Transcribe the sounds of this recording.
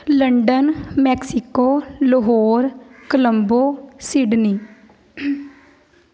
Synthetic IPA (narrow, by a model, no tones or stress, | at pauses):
ləɳɖənmɛːksɪkoːləɦoːɾkələmboːsɪɖniː